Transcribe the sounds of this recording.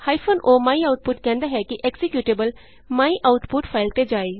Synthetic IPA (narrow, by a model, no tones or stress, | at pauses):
haːipʰoːnʔoːmaːiaːʊʈ̚pʊʈkɛ̃ːnd̪aɦɛkiʔeːksɪkjuːʈeːbəl | maːiʔaːʊʈpʊʈpʰaːɪlt̪ed͡ʒaːeː